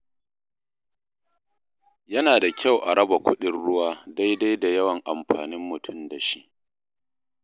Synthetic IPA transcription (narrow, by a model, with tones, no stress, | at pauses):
jɐ˦naː˨da˨kʲa˦˨wʔa˨ɽɐ˦ba˨kʷʊ˦ɗɪ˨nɽʊ˦waː˦da˦jda˦jda˨jɐ˦wɐ˨ŋʔa˨mɸaː˨nɪ˦mːʊ˨tʰʊ˦˨mda˨ʃi˦ʔ